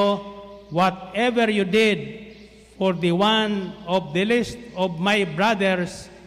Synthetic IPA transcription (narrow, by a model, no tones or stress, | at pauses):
wɔt̪̚ɛvɛɾjud̪ɪd̪̚ | fɔɾd̪əwãnɔvd̪əlist̪̚ɔvmajbɹad̪ɛɹs